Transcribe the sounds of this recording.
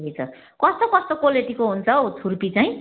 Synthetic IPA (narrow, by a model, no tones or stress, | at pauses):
ejt͡sʰʌ | kʌst̪okʌst̪okoleʈikoɦunt͡sʰʌot͡sʰurpit͡saĩ